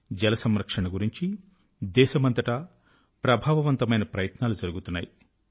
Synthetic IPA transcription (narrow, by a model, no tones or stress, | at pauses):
d͡ʒɛlɐsɐmɾɐkʂɐɳɐɡuɾiɲt͡ʃi | d̪ɛːʃɐmɐnt̪ɐʈɐ | pɾɐbʱaːʋɐʋɐnt̪ɐmɐjnɐpɾɐjɐt̪naːlud͡ʒɐɾuɡut̪unːa̰ːji